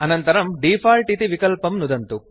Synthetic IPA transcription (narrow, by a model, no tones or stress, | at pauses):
ɐnɐnt̪ɐɾɐmɖiːpʰaːlʈit̪iʋikɐlpɐmnud̪ɐnt̪u